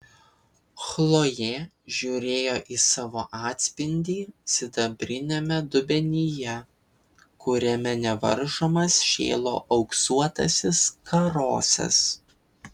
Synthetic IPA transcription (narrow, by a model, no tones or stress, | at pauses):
xlˠoːjɛː | ʒʲuːɾʲeːjoːʔiːsɑːʋoːʔɑːt̪ʲsʲpʲɪnʲd̪ʲiːsʲɪd̪ɐbʲɾʲɪnʲemʲɛd̪ʊbʲɛnʲijɛ | kʊɾʲɛmʲɛnʲɛʋɐ̰ɾʒoːmɐsʃʲḛːlˠo̰ːʔɐʊksuɔt̪ɐ̰sʲɪskɐɾoːsʲɛ̰s